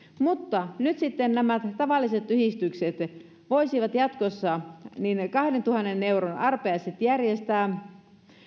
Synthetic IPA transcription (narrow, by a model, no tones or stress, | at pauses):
mut̪ːɑnyt̪sit̪ːennæmæt̪t̪ɑʋɑlːise̞t̪yhist̪ykset̪ | ʋoisiʋɑt̪jɑt̪kosːɑninkɑhdent̪uhɑnːenːe̞uɾonʔɑrpeɑjset̪jærjest̪æː